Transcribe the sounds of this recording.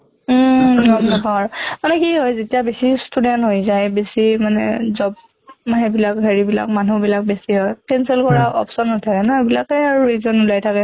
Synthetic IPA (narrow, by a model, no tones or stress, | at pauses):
nɔmnɔpaɹmanɛkiɦɔjzetijabesistudɛntɦojzajbesimanɛ̰zɔb̚ | ɦebilakɦeɹibila̰kmanubilak̚besiɦɔjkɛnsɛlkɔɹaʔɔ̰psɔnːɔtʰakɛnɔebilakɛaɹuizɔnulajtʰakɛ